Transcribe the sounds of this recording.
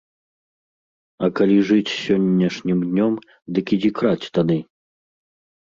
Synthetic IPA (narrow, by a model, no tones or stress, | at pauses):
ɐkalʲiʐɨt͡sʲsʲɔnʲːɐʂnʲimd̪ʲnʲɔm | d̪ɨkʲid͡zʲikɾat͡sʲt̪ad̪ɨ